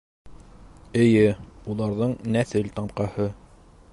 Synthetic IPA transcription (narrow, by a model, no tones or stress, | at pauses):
ɘ̆jɘulˠɑɾðɤɴnæθɘlt̪ɑmqɑhɤ